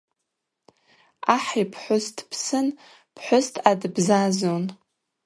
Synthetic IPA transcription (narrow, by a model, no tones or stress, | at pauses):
aħipʰħʷʊstʰʼpʰsɨn | pʰħʷʊstʰadbzazon